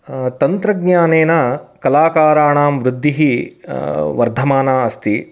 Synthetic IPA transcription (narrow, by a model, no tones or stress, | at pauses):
t̪ɐnt̪ɾɐɡnaːneːnɐkɐlaːkaːɾaːɳaːmʋɾud̪ʱːiɦi | ʋɐɾd̪ʱɐmaːnaːɐst̪i